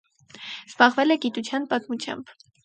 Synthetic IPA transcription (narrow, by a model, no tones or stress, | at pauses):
z̥bɑʁvɛlɛɡit̪ut͡sʰjɑnpɑt̪mut͡sʰjɑ̰mb̥